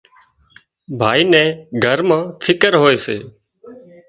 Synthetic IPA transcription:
bʱaːiːnɛ̃ːɡʱəɾmãːfʰɪkəɾɦoːeːseː

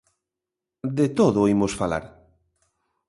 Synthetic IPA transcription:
d̪et̪oðoimosfala̰ɾ

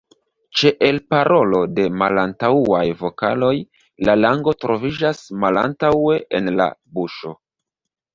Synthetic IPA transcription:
t͡ʃe̞ʔelpaɾʔo̞lo̞de̞malantawuajvo̞ka̰lo̞j | lalaŋɡo̞tɾo̞vid͡ʒasmala̰ntawe̞ʔenla̰buʃo̞

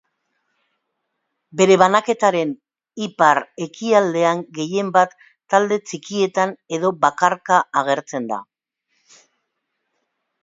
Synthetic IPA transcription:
be̞ɾe̞βanake̞t̪aɾe̞n | ipaɾe̞kiald̪e̞aŋɡe̞je̞mbat̪ː | ald̪e̞t͡sikie̞t̪ane̞ðo̞bakaɾkaːɣ̞e̞ɾt͡se̞nd̪a̰

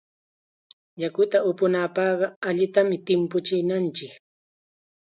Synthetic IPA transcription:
jakʊt̪aʊpʊnapɑɢɑaʎɪt̪amɪt̪ɪmpʊt͡ʃɪnant͡ʃɪk

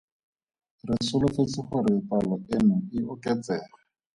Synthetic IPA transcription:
rɪsʊlʊfet͡sɪχʊɾɪpalɔenʊɪʊkɛt͡sɛːχa

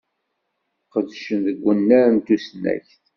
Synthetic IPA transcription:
qəðʃənðəɡʷːənːæɾnt̪usənːæ̰çθ

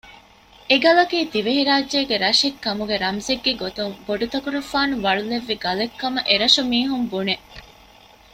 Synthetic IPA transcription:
eɡɐlɐkiːt̪iʋeɦiɾaːd͡ʒːeːɡeɾɐʃekːɐmuɡeɾɐmzeɡːeɡot̪umboɖut̪ɐkuɾufaːnuʋɐɭuleʋːiɡɐlekːɐmɐʔeɾɐʃumiːɦumbune

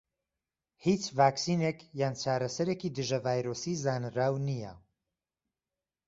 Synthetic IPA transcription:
hit͡ʃvaːksinekjaːnt͡ʃʰaːɾɐsɐɾeːkid̪ɨʒɐvaːjɾoːsizaːnɨɾaːwnijɛ̰

